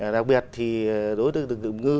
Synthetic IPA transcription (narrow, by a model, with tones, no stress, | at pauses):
ɗa˨˩k͡p̚ɓi˨˩t̚t̪ʰi˨˩˨ɗo˨˦jt̪əː˨˦t̪ɗɨ˨ə˩k̚ɨ̰˨˩˨ŋ͡mŋɨ˧